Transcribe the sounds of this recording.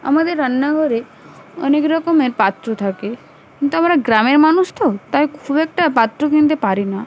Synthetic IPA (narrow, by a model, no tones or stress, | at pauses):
a̰mad̪eɾənːaɡʱɔɾe | ə̰nekɾɔkɔmeɾpat̪ɾot̪ʰake | kint̪uamaɾaɡɾameɾmanust̪ʰot̪ajkʰubek̚ʈapat̪ːɾokĩnt̪epaɾina